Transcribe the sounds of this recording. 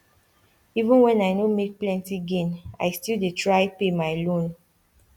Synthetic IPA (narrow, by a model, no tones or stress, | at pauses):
ivũnwɛ̃najnomek̚plɛ̃ntiɡẽna̰jstildetɹaɪpemajlõn